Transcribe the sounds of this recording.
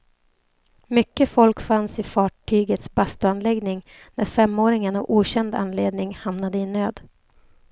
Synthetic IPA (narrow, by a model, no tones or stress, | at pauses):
mʏkːəfɔlkfansɪfɑːʈʰyːɡət̪sbast̪ɵanlɛɡnɪŋ | næɾfɛmːoːɾɪŋənavuːɕɛnd̪a̰nleːd̪nɪŋhamnad̪əɪnøːd̪